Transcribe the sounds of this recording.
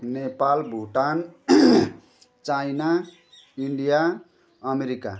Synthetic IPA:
nepalbʱuʈan | t͡sajna | iɳɖija | ʌmeɾika̰

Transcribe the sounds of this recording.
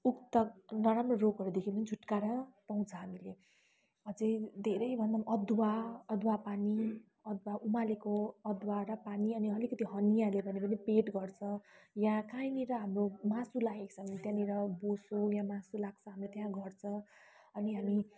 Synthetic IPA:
ukt̪ʌnʌɾamrʌroɡʌɾud̪ekʰipʌnid͡zʱuʈkaɾʌpaw̃t͡sʰʌɦamile | ʌd͡zijd̪ʱeɾʌjbʱʌnd̪aʌd̪waʌd̪wapani | ʌd̪waʔumalekoʌd̪waɾʌpaniʌniʌlikʌt̪iɦʌnijalebʱʌnepʌnepeʈɡʌrt͡sʰʌ̃jãkajniɾʌɦamromãsulaɡeksʰʌnt̪jãniɾʌbosojãmãsulaɡ̚t͡sʰʌ̃ɦamrot̪jãɡʌrt͡sʰʌ̃ʌniɦami

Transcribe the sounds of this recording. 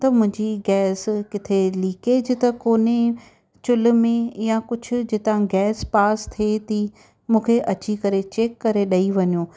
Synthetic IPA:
t̪ɐmʊ̃ɦɪ̃ɲd͡ʑiɡɛːskɪt̪ʰeliːkeːd͡ʑɪt̪ɐkoːne | t͡ɕʊlʊ̆mẽjakʊd͡ʑʱʊ̆d͡ʑɪt̪ãɡɛːspaːst̪ʰiet̪ʰi | mũːkʰeʔɐt͡ɕikɐɾet͡ɕeːkːɐɾeɗɐiʋɐɲuː

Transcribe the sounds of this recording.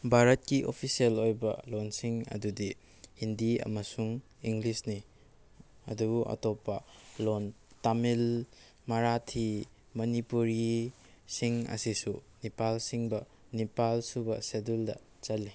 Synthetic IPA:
bʱaɾɐt̚kiʔo̰pʰisielojbɐ̰lonsiŋɐ̰dudi | hindiɐ̰mɐsuŋ | iŋɡlisni | ɐ̰dubuʔɐ̰topːɐlontamil | mɐɾatʰi | mɐnipuɾɡi | siŋɐ̰sisu | nipalsiŋbɐ | nipalsubɐseduldɐ̰ | t͡ʃɐlːi

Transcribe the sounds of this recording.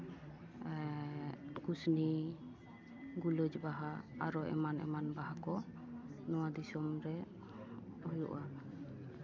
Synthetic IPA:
kusni | ɡuləd͡ʒbaɦaa̰ɾɔʔɛ̰manɛ̰manbaɦakɔ | nɔwad̪isɔmɾɛ | hɔjṵʔa

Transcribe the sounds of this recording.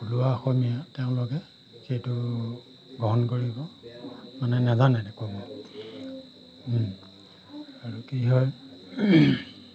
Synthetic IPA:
puluwaxomijatɛʊ̃lɔkɛ | xejtʊ | ɡɔɦɔnkoɹibɔ | manɛnɛzanajdɛkobɔ | aɹukiɦɔj

